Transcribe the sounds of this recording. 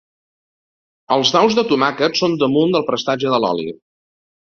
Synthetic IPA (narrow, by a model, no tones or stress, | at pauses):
əlˠzðawzðət̪umakətsond̪əmund̪əlˠpɾəst̪aʒəðəlɔ̰lḭ